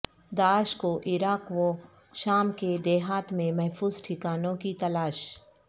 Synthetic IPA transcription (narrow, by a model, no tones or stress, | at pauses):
d̪aːʃkoʔɪɾaːkʋo | ʃaːmked̪eːɦaːt̪mẽmɛɦfʰuːzʈʰɪkaːnõkit̪ɐlaːʃ